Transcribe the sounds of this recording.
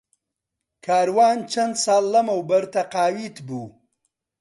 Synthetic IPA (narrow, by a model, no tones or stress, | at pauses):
kʰɑːɾwɑːnt͡ʃɐnd̪sɑːlːɐmawbɐɾt̪aqɑːwit̪bu